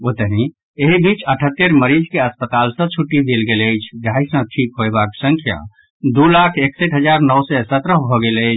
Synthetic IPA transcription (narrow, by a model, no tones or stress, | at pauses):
ot̪əɦĩ | eɦibit͡ʃəʈʰət̪ːeɾməɾid͡ʒkeəspət̪alsə̃t͡ʃʰuʈːid̪elɡeləjt͡ʃʰɡʱajsə̃ʈʰikɦoebaksə̃ŋkʰja̰ | d̪ulakʰeksəʈɦəd͡ʒaɾnɔwsɛsət̪ɾəɦbʱɔɡeləɪt͡ʃʰ